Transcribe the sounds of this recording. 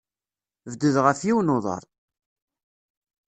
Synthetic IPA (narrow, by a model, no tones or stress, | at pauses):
vd̪əðʁəfjiwnoðˤə̰ɾˤ